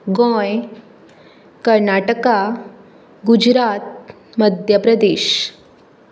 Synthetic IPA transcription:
ɡõj | kəɾnaʈəka | ɡud͡ʑɾat̪̚ | məd̪ʱjəpɾəd̪eːɕ

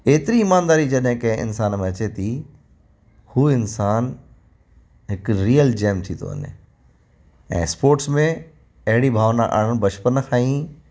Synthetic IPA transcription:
eːt̪ɪɾiːmaːnd̪aːɾid͡ʑɐɗɦɪ̃kɐ̃ɦɪ̃ɪ̰nsaːnmẽɐt͡ɕet̪ʰi | huːɪnsaːn | ɦɪkɾiːəld͡ʑeːmt̪ʰit̪ʰo̰ɐ̰nɪ̰ | ɛ̰̃ːspoːɾʈsmẽ | ɐɦɪɽibʱaːʋna̰ʔa̰ːɽ̃əɽ̃bɐt͡ɕpənxʰaːĩ

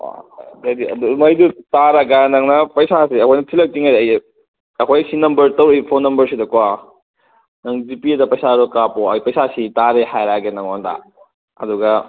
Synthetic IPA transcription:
wa̰dediɐ̰dumɐjdutaɾaɡanɐŋnɐpɐjsasiɐkʰojnɐtʰilɐk̚tiŋaɾɐj | ɐkʰojsinɐmbɐɾtɐwɾejpʰonːɐmbɐɾsidɐkwa | nɐŋzipiɐdɐpɐjsaɾɔkapoɐ̰jpɐjsasitaɾehajɾaɡenɐŋonda̰ | ɐ̰duɡɐ

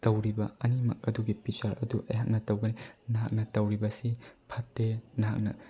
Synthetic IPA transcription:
tɐwɾibɐɐnimɐ̰k̚ɐduɡipit͡ʃaɾɐ̰duʔɐjɦak̚nɐtɐwɡɐninɐɦak̚nɐtɐwɾibɐsipʰɐtːenɐɦa̰k̚nɐ̰

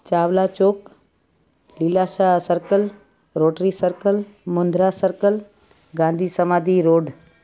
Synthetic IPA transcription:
t͡ʃaːʋlat͡ʃoːk | lilasasəɾkəl | ɾoːʈɾiːsəɾkəlmʊnd̪ɾasəɾkəl | ɡãːnd̪ʱiːsəmaːd̪iɾoːɖ

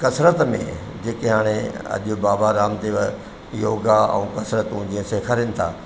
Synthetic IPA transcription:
kɐsɾət̪mḛ̃ | d͡ʑeːkeɦaːɽ̃eɐ̰ʄʊbaːbaɾaːmt̪iʋə | joːɡaɛ̰̃ːkɐsɾət̪ũd͡ʑiə̃seːkʰaɾinɪ̆t̪ʰa̰ː

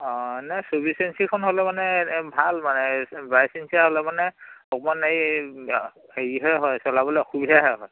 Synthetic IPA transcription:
ɔ̃nasobisensikʰɔnɦolɛmanɛbʱalmanɛbajsinsiaɦɔlɛmanɛɔk̚manej | heɹiɦɔɦɔjsɔlabɔlɛkʰubidʱaɦɛɦɔj

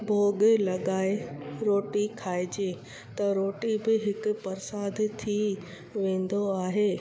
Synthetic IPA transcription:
bʱoːɡlɐɠaːeɾoːʈikʰaːɪd͡ʑeː | t̪ɐɾoːʈibɪɦɪkʊ̆pɐɾɪsaːd̪t̪ʰi | ʋẽːn̆d̪oaːɦeː

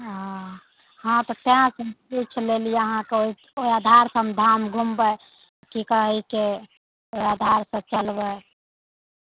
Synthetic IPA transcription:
ã | hãt̪ɔt̪eãsə̃mput͡ʃʰlelijeəɦãkeoi | oiad̪ʱaɾsəmd̪ʱamɡʱumbə | kikəɦike | oiad̪ʱaɾsə̃t͡ʃəlbə

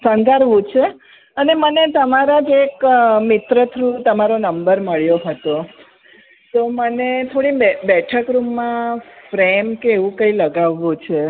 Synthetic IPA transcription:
sə̃ŋɡaɾʋũt͡ʃʰe | ənemənet̪əmaɾad͡ʒekmɪt̪ɾət̪ʰɾũt̪əmaɾonəmbəɾməɭjoɦət̪o | t̪omənet̪ʰoɽibɛʈʰəkɾumːãfɾemkeːʋũkəiləɡaʋːũt͡ʃʰe

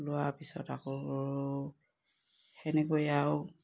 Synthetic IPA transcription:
lʊwapisɔ̰takɔ | hɛnɛkojaʊ

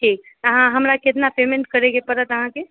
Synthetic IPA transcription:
ʈʰiːk̚ | ɦãɦəmɾaket̪napemẽɳʈ̚kəɾeɡepəɾət̪əɦãke

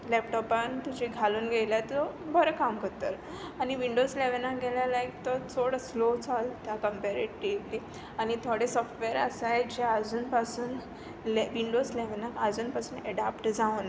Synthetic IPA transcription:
lɛp̚ʈɔpant̪ud͡ʑʱiɡʱaluːnɡʱɛjljat̪ɔbʱəɾəkamkəɾt̪əɾ | aniʋiɳɖozleʋnakɡɛljalaek̚t̪ɔt͡soɽəslot͡salt̪akəmpeɾeʈʈipli | añit̪ʰoɽesɔfʈʋeɾə̰sajd͡ʑead͡zuːnpasuːn | lʋiɳɖozlɛʋnakad͡zuːnpasuːnɛɽapʈd͡zaun

